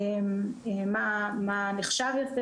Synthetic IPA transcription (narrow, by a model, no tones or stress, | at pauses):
memamaneχʃavjofe